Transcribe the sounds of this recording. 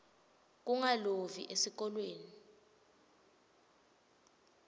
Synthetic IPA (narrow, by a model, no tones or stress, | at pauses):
k̬uŋalovḭʔesik̬ɔlweːni